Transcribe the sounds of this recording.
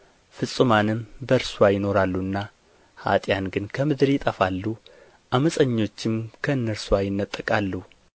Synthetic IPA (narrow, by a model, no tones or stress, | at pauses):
fɨsʼɨmanɨmbəɾsuwajɪno̞ɾalːuɨnːa | ha̰t̪ʼjanɡɨnkʰəmɨd̪ɾjɪt̪ʼəfalːu | ʔaməsʼəɲːo̞t͡ʃːɪmkʰəɨnːəɾswajɪnːət̪ʼːəkʼalːu